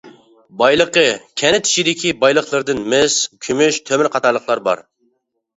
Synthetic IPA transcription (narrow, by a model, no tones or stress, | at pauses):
bɑjlˠəqəkʲʰɛnɪt̪ʰy̥ʃid̪ɪkʲʰibɑjlˠəχlˠɨɾd̪ɨnmɪskʲʰymyʃt̪ʰømɪɾqʰɑt̪ɑɾlˠəχlˠɑɾbɑ̰ɾ